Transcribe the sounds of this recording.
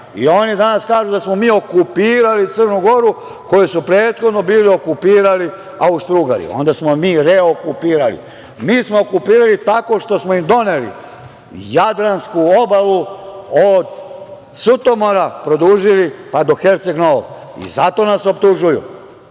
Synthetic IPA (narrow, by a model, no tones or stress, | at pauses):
ḭo̞nid̪anaskaːʒud̪asmo̞miːo̞kupiːɾalit̪sər̩nuɡo̞ɾu | ko̞jisupɾeːt̪xod̪no̞biːlio̞kupiːɾali | aust̪ɾuɡa̰lḭo̞̰nd̪asmomiːɾeo̞kupiːɾalḭ | miːsmo̞okupiːɾalit̪ako̞ʃt̪o̞smoimd̪o̞ne̞lḭ | jad̪ɾanskuo̞baluod̪ | sut̪o̞mo̞ɾapɾo̞d̪uːʒilipad̪o̞xeɾt̪seɡnoo̰ḭzat̪o̞naso̞pt̪uʒujṵ